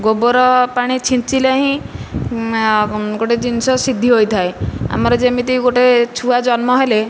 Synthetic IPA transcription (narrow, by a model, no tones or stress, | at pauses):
ɡoboɾɔpaɽ̃it͡ʃʰint͡ʃileɦĩ | ɡoʈed͡ʒinsɔsid̪ʱiɦojt̪ʰaea̰mɔɾɔd͡ʒemit̪̬iɡoʈet͡ʃʰuad͡ʒɔnmɔɦele